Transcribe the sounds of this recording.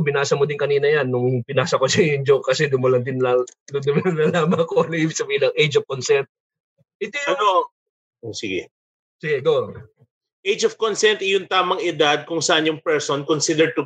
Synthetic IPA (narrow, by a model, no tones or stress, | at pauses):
bɪnaːsɐmod̪ɪnkɐniːnɐjanːʊŋpɪnaːsɐkosɐjɪnd͡ʒoʔkɐsɛd̪ʊmɐlɐnd̪ɪnd̪ʊnd̪ʊmɐɐnːɐlaːmɐkoliːbɪsɐbiːlɐŋʔejd͡ʒɔfkonsɛnt̪̚ | ʔɪt̪ono | osɪɡɛ̰ | sɪɡɛɡo | ʔejd͡ʒɔv̥konsɛnt̪ɪjʊnt̪aːmɐŋɪd̪ad̪̚kʊŋsɐʔanjʊŋpɛɹsonkonsid̪ɛɹd̚t̪ʊ